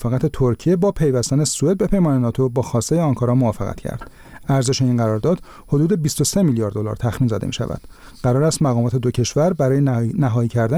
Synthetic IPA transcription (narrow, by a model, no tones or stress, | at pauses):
feɣæt̪ʰet̪ʰoɾcʰije̞bɒːpʰe̞jvæst̪æne̞sue̞d̪̚be̞pʰe̞jmɒːnenɒːt̪ʰo̞bɒːxɒːst̪ejeɒŋkʰɒɾɒmovɒːfeɣæ̰t̪cʰæ̰ɾd̪̥ | æɾze̞ʃe̞iːnɢæɾɒːɾd̪ɒːd̪̥ | ho̞d̪uːd̪e̞biːst̪o̞se̞miljɒɾd̪ːo̞lɒ̰ːɾt̪ʰæxmiːnzɒ̰ːd̪emiːʃæ̰væ̰d̪̥ɢæɾɒːɾæst̪mæɣɒːmɒːt̪ʰe̞d̪ocʰe̞ʃvæɾbæɾɒːjenæɦɒːiːcʰæɾd̪æ